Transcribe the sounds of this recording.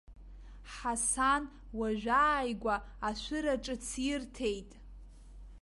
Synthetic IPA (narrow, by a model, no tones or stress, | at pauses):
ħasan | waʒʷᶣaːjɡʷaːʃʷɨɾaʈ͡ʂʼɨt͡sʰirtʰe̞jtʼ